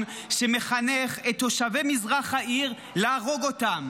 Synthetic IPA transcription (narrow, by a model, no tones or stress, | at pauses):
ʃeme̞χaneχetːo̞ʃave̞mizʁaχhaʔiʁ | leaʁo̞ɡo̞tam